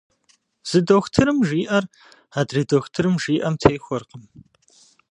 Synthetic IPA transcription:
z̥ɨdoxʷtʰɨɾɨmʒiːʔɐr | aːdridoxʷtʰɨɾɨmʒiːʔɐmtʰejxʷɔrqəm

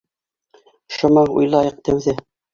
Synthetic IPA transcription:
ʃɤ̆mɤṵjlˠɑjɤq̚t̪æwðɘ

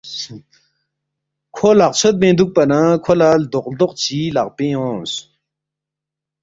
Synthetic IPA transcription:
kʰolaq̚t͡sʰot̪̚mẽnd̪uk̚pɐnakʰolald̪oqd̪oq̚t͡ɕilaqpẽɔ̃s

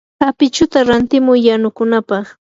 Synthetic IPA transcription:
hapɪt͡ʃʊt̪aɾant̪ɪmʊjːanʊkʊnapɑχ

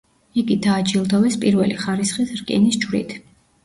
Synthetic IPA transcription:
iɡid̪aːt͡ʃʼilˠd̪ɔvɛspʼiɾvɛliχaɾisχisɾkʼḭnisd͡ʒwɾḭt̪ʰ

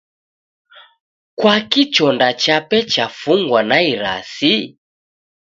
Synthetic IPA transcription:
kwakit͡ʃɔndat͡ʃapɛt͡ʃafuŋɡwanaiɾa̰si

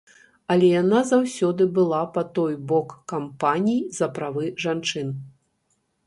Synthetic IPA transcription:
ɐlʲɛjanazawsʲɔd̪ɨbɨlˠapɐt̪ɔjbɔkːampanʲijizɐpɾavɨʐant͡ʂɨn

